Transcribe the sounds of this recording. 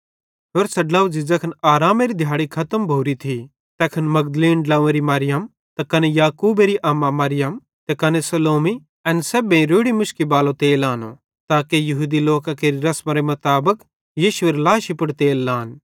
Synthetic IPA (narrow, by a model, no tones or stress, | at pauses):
ɦoːɾsɐɖlɐʋd͡ʒɪd͡ʒɐkʰɐnaːɾaːmeɾid̪ʱjaːɽikʰɐt̪əmbʱoːɾit̪ʰi | t̪ɛːkʰɐnmɐɡd̪əliːnɖlãːeɾimɐːɾɪjəm | t̪ɐkɐnejaːkuːbeɾiʔɐmːamɐɾɪjəm | t̪ɐkɐnesɐloːmi | ɐnsɛbẽĩɾoːɽimʊʃkibaːlot̪eːlaːno̰ | t̪aːkejɐɦuːd̪iloːkakeːɾiɾɐsmaɾemɐt̪aːbək | jiːʃʊeːɾlaːʃipʊɽt̪eːlːaːn